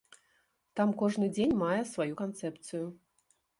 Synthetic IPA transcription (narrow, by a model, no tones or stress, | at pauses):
t̪amkɔʐnɨd͡zʲenʲmajɛsvajukant̪sɛpt̪sɨju